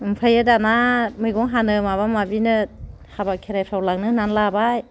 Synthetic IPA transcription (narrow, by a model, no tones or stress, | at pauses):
ɯmpʰajɯdanamɯjɡɔŋɦanɯmaβamabinɯ | habakʰeɾajpʰawlaŋnɯnanlabaj